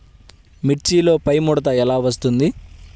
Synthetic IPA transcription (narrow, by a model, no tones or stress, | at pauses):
miʈt͡ʃiːlo̞ːpɐjmuɽɐt̪̬ɐɛlaːʋɐs̬t̪und̪i